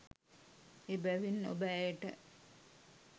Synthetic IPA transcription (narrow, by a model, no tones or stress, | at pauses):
ebæʋinːo̰bəːjəʈə̰